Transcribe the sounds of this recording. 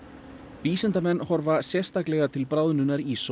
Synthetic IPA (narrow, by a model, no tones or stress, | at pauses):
viːsɛnt̪amɛnːhɔɾvasjɛ̥st̪aklɛɣat̪ʰɪlpɾaːwðnʏnːaɾis